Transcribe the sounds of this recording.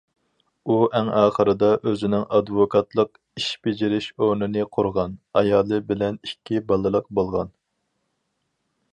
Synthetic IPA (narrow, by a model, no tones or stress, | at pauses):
uʔæŋɑːχəɾɨd̪ɑʔøzɪnɪŋʔɑd̪vokʰɑt̪lˠəq | iʃbed͡ʒɪɾɪʃoɾnɨnɨqʰʊɾʁɑnɑjɑːlˠɨbɪlɛnikʲʰːibɑlˠɨlˠəq̚bolˠʁɑn